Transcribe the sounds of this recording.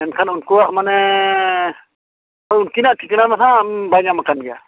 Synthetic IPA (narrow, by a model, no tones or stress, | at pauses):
ɛnkʰanunkuaʔmanɛ | ɔunkinaʔʈʰiknamanãbajŋamakanɡɛa̰